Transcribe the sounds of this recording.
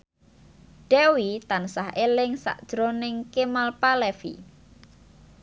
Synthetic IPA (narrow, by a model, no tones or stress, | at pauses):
ɖ̥ɛwit̪ansahʔelɪŋsa̰ʔd̥ʒ̥ɾonɪŋkemalpalɛfḭ